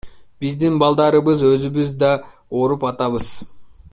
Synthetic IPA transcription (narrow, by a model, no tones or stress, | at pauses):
b̥izd̪inbɑlˠd̪ɑɾɯβɯzøzyβyzd̪ɑ | oɾupɑt̪ɑβɯz̥